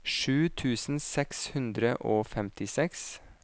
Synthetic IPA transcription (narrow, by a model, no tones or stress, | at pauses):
ʃʉːt̪ʰʉːsn̩sɛkshʉnd̪ɾəʔoːfɛmt̪ʰɪsɛks